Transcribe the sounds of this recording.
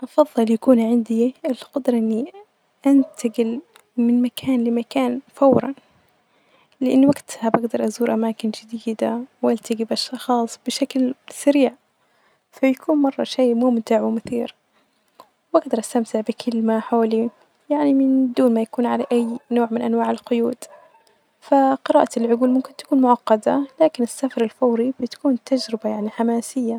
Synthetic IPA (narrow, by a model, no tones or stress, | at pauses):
ʔɑfɑðˤːɨljakuːnʕɪnd̪iɪlqɑd̪ɾˤɑʔɪnːi | ʔant̪aɡɪl | mɪnmakʰaːnlɪmakaːnfawɾˤɑ̰n | lɪʔanːwaɡt̪habaɡd̪ɑɾˤʔazuːɾʔamaːkɪnd͡ʒɪd̪iːd̪awʔalt̪aɡibaʃxɑːsˤb̥ɪʃaklsaɾiːʕ | fajakʰuːnmɑrˤːɑ̰ʃeːmʊːmt̪ɪʕwɪmʊθiːɾ | wʔaɡ̚d̪ɑɾˤʔast̪amt̪ɪʕbɪkʰɪlmaħoːli | jaʕnimɪnd̪uːnmajakuːnʕalaʔajːnoːʕmɪnʔanwaːʕɪlqʊjuːd̪̥ | faqɨɾˤɑːʔalʕʊɡuːlmʊmkɪnt̪ḁkuːnmʊʕɑqːɑd̪alaːkɪnɪsːafɑɾˤɪlfaːɾibɪt̪ḁkuːnt̪ad͡ʒɾɪbajaʕniħamaːsɪjːa